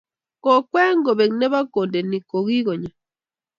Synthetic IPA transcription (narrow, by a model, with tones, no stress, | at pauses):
kɔ˨kwɛ˦ŋɡɔ˨bɛ˨knɛ˦βa˦ko˨nde˨ni˨ko˨ɣi˦ɡɔ˨ɲa˨